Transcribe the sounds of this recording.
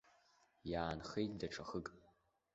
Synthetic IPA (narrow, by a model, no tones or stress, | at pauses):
jaːnχejtʼdɐʈ͡ʂʰɐχɨkʼ